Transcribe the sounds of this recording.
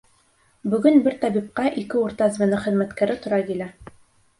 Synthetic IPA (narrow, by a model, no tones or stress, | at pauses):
bɵ̆ɡɵnbɘɾt̪ɑbip̚qɑʔikɘuɾt̪ɑzvɘ̆nɘχɘ̆ðmæt̪kæɾɘt̪ŏɾɑkilæ